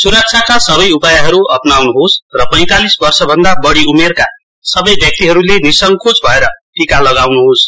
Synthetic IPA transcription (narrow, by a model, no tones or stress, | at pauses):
suɾʌk̚t͡sʰakasʌbʌjupajaɦʌɾuʌpnawnuɦosrʌpʌj̃t̪alisbʌrsʌbʱʌnd̪abʌɽiumerka | sʌbʌjbʱjʌk̚t̪iɦʌɾulenisʌŋkʰot͡sbʱʌeɾʌʈikalʌɡawnuɦos